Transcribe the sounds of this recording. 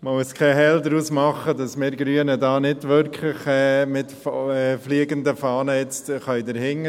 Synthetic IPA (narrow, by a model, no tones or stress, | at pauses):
məmuəskʰɛɦɛldɾuːsmɑχədɑsmɪːɾɡɾyənədɑːnɪdʋʏɾkʰlɪχɛːmɪtfɛfliːɡəndəfɑːnəjɛt͡stχœʏdəɾhɪŋːə